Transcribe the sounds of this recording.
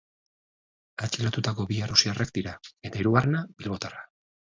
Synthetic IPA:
at͡ʃilat̪ut̪ako̞βiarusiarek̚d̪iɾae̞t̪aiɾuɣarenabilβo̞t̪ara

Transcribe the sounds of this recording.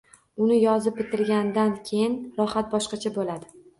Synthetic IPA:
ʊnɪjɒzɪp̚bɪt̪ʰɪɾɡʲand̪ankʲʰe̞jɪnɾɒhat̪̚bɒʃqɑt͡ʃʰabolad̪ɪ

